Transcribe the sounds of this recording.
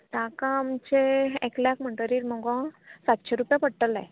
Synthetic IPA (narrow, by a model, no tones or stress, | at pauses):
t̪akãmt͡ɕeekljakm̤əɳʈ̪əɾiːɾmɔɡɔ̃sat̪ɕeɾupjapəɽʈəla̰